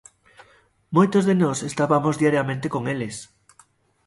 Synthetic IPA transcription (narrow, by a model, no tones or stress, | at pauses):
mojt̪ozðenosest̪aβamozðiaɾjamẽnt̪ekoŋeles